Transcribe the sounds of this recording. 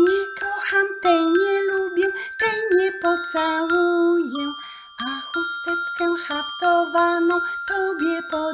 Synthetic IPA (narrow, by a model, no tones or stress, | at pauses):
ɲikɔxamt̪ɛjɲɛlubʲjɛwt̪ɛjɲɛpɔt̪sawujɛw | ʔakust̪ɛt͡ʃkɛwxapt̪ɔvanɔwɔwbʲjɛpɔ